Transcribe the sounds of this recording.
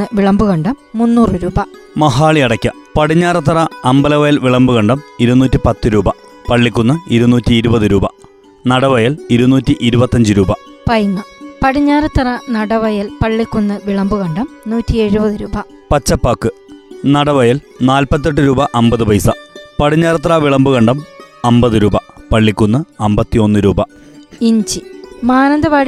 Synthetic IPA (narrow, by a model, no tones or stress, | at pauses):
ɨʋiɭɐmbuɣɐɳɖɐmmːunːuːrɨɾuːbɐ | mɐɦaːɭiɐɽɐkʲːɐpɐɽiɲːaːrɐt̪ːɐrɐːmbɐlɐʋɐjɐlʋiɭɐmbuɣɐɳɖɐmiɾunːuːtʲːipɐt̪ːɨɾuːbɐ | pɐɭːikʲːunːɐiɾunːuːtːiːɾubɐðɨɾuːbɐ | nɐɽɐʋɐjɐliɾunːuːtʲːiʔiɾubɐt̪ːɐɲd͡ʑɨɾuːbɐ | pɐjŋːɐpɐɽiɲːaːrɨt̪ːɐrɐnɐɽɐʋɐjɐlpɐɭːikʲːunːɨʋiɭɐmbuɣɐɳɖɐmnuːtːieɻubɐðɨɾuːbɐ | pɐt͡ɕːɐpːaːkːɨnɐɽɐʋɐjɐl | naːlpɐt̪ːeʈ̬ːɨɾuːbɐʔɐmbɐðɨbɐjsɐpɐɽiɲːaːɾɐt̪̬ːrɐʋiɭɐmbuɣɐɳɖɐmɐmbɐðɨɾuːbɐpɐɭːikʲːunːɐɨɐmbɐt̪ːio̞nːɨɾuːbɐ | iɲd͡ʑimaːnɐnd̪ɐʋaːɽ